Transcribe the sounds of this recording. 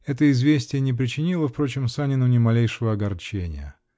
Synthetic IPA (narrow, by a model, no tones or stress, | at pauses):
ɛt̪əɪzvʲesʲtʲɪjənʲɪp̬ɾʲɪt͡ɕɪnʲilˠəfpɾo̞t͡ɕɪmsanʲɪnʊnʲɪmɐlʲejʂɨvəɐɡɐrt͡ɕenʲɪ̰jə̰